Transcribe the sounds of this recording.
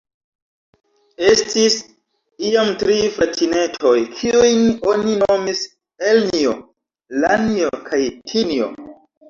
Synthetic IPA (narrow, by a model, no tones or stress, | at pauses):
e̞stis | iomtɾifɾatʰine̞tʰo̞jkʰiujno̞ninomis | elnio | laniokʰajtʰinio̰